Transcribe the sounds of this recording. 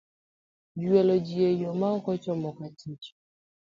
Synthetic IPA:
d͡ʒiwelod͡ʒijejomaŋ̩kɔt͡ʃɔmɔkatʰit͡ʃɔ̥

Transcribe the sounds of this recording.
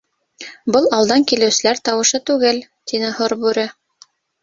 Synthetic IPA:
bɤlˠɑwlˠd̪ɑŋkilɘ̆wsɘ̆læɾt̪ɑwɤ̆ʃɤt̪ʉɡɘl | t̪inɘhŏɾbʉɾɘ

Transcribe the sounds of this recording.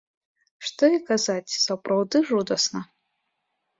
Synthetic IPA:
ʂt̪ɔikazat͡sʲsɐpɾawd̪ɨʐud̪ɐsnɐ

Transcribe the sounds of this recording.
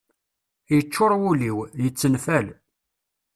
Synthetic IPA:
jət͡ʃːʊɾˤwuliwjət͡sːənfæl

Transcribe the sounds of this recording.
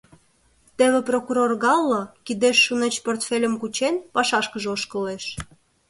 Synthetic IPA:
t̪eβĕprokuɾorɣɑlːokid̪eʃːunet͡ɕport̪felʲə̆mkut͡ɕenpɑʃɑʃkəʒeoʃkəleʃ

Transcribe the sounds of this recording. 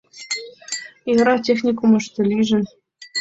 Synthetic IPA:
jɤɾɑtʲexnʲikumɤ̆ʂt̪ʲɘ̆lʲiʒɘ̆n

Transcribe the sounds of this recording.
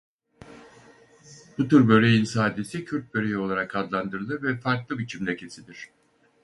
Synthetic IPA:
b̥ut̪ʰuɾbøɾejinsaːd̪esicʰyɾt̪̚bøɾejo̞lˠaɾakʰad̪lˠand̪ɯɾɯlˠɯvɛfaɾklˠɯbit͡ʃʰimlʲecʰe̞sid̪iɾ̝̥

